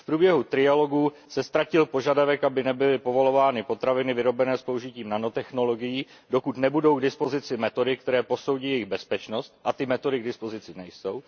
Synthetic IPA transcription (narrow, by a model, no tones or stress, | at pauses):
fpɾuːbjɛɦut̪ɾɪjalo̞ɡu | sɛst̪ɾacɪlpo̞ʒadavɛkʔabɪnɛbɪlɪpo̞vo̞lo̞vaːnɪpo̞t̪ɾavɪnɪvɪɾo̞bɛnɛːspouʒɪciːmnanot̪ɛxno̞lo̞ɡɪjiː | do̞kut̪nɛbudo̞wɡdɪspo̞zɪt͡sɪmɛt̪o̞dɪkt̪ɛɾɛːpo̞so̞wɟiːjɛjɪɣbɛspɛt͡ʃno̞st̪̚ʔat̪ɪmɛt̪o̞dɪɡ̚dɪspo̞zɪt͡sɪnɛjso̞w